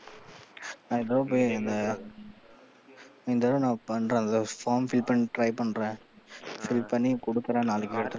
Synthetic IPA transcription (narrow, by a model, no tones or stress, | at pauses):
nãːɪnd̪ɐɾɐ̃poːjɐnd̪ɐ | ɪnd̪ɐɾɐ̃nãːpɐɳɾẽːnd̪ɐfaːɾmfɪlpɐniʈɾɐɪpɐɳːɾẽː | fɪlpɐnːikɔɽɯkːɯɾẽːnaːlɯkːɯɛɽɯt̪ːɯɾ̃